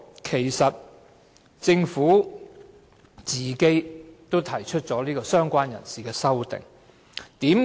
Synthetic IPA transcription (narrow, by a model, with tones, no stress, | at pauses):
kʰe˨˩jsɐ˨t̚ | t͡sɪ˧ŋfuː˨˥ | t͡siː˨ke˥jt̪o˥wt̪ʰɐ˨˩jt͡ʃʰɵ˥t̚t͡sɔː˨˥liː˥kɔː˧sœː˥ŋkʷaː˥njɐ̰˨˩nsiː˨kɛː˧sɐ˥wt̪ɪ̰˨˩ŋ | t̪iː˨˥m